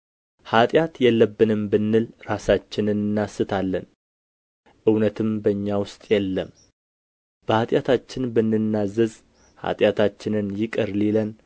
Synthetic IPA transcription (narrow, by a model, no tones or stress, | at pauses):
hat̪ʼjat̪jɛlːəbːɨnɨmbɨnːɨlɾasat͡ʃːɪnɨnɨnːasːɨt̪ʰalːən | ʔɨwnət̪ʰɨmbəɲːawʊst̪ʼjɛlːəm | b̥əhat̪ʼjat̪ʰat͡ʃːɪnbɨnːɨnːazːəz | ha̰t̪ʼjat̪ʰat͡ʃːɪnɨnjɪkʼəɾlilən